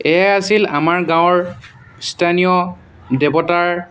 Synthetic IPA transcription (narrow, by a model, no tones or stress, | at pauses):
ɛasila̰maɹɡãw̃ɔɹ | stʰanijɔ | dɛbɔtaɹ